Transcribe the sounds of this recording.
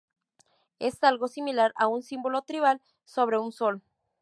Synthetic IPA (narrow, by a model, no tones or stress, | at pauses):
e̞salɣo̞similaɾaunsimbo̞lo̞t̪ɾiβal | so̞β̞ɾe̞unso̞l